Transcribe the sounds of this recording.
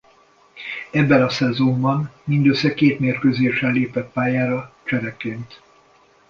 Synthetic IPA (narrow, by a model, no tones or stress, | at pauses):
ɛbːɛnɒsɛzombɒnmind̪øsːɛkeːt̪meːrkøzeːʃɛleːpɛt̪̚paːjaːɾɒt͡ʃɛɾɛkːeːnt̪